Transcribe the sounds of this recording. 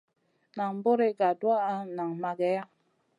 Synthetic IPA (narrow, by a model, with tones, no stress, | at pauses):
na˨ŋ˦bo˦ɾe˦ɡa˨dwa˦a˦na˨ŋma˨ɡɛ˨˦ja˦